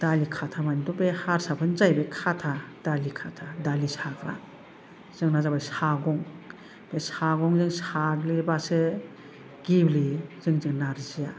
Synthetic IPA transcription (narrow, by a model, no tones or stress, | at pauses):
d̥alikʰatʰamandɔbehaɾsapʰɯnzajbekʰatʰad̥alikʰatʰadalisaɡɾa̰ | z̥ɯŋnazabajsaɡɔŋ | b̥esaɡɔŋzɯŋsaɡlibasɯ | ɡ̥ibliz̥ɯŋzɯŋnaɾzija